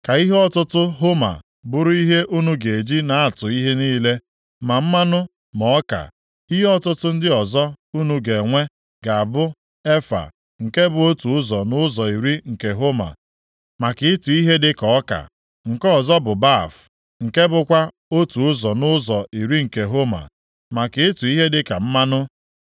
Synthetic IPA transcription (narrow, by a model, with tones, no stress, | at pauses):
ka˨i˦ɦe˦ɔ˦tʊ˦tʊ˦ɦo˦ma̰˨ | bʊ˦ɾʊ˦i˦ɦe˦ʔu˦nu˦ɡe˨d͡ʒi˦na˨a˦˨tʊ˨i˦ɦe˦niː˦le˦ | ma˨m̩˦ma˦nʊ˦ | mɔ˨ɔ˦ka̰˨ | i˦ɦe˦ɔ˦tʊ˦tʊ˦n̩˦dɪ˦ɔ˨zɔ˦u˦nu˦ɡe˨ŋʷe˦ | ɡa˨a˨bʊ˦ | e˦fa̰˨ | ŋ̩˨ke˦bʊ˨o˦tu˨ʊ˦zɔ˨nʊ˦zɔ˨i˨ɾi˦ŋ̩˨ke˨ɦo˦ma̰˨ | ma˨kɪ˦ɪ˦tu˨i˦ɦe˦dɪ˦kɔ˨ɔ˦ka̰˨ | ŋ̩˨kɔ˦ɔ˨zɔ˦bʊ˨ba˦˨f | ŋ̩˨ke˦bʊ˨kʷa˦ | o˦tu˨ʊ˦zɔ˨nʊ˦zɔ˨i˨ɾi˦ŋ̩˨ke˨ɦo˦ma̰˨ | ma˨kɪ˨ɪ˦tu˨i˦ɦe˦dɪ˦ka˨m̩˦ma˦nʊ˦